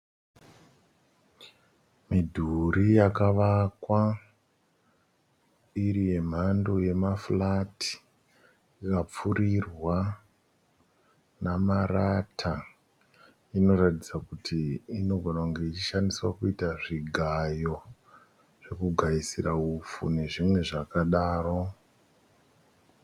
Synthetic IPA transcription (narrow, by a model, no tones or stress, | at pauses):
midʱuɾijakaʋakwa | iɾije̞m̤andoje̞maflatʰi̥ | ikap͡fuɾirwa | namaratʰa | ino̞ɾatid͡zakutʰiːno̞ɡʱo̞nakuŋɡe̞it͡ʃiʃandiswakuitaʐiɡʱajo̞ | ʐ̥e̞kuɡʱaisiraufṵne̞ʐimwe̞ʐakaɗaːro̞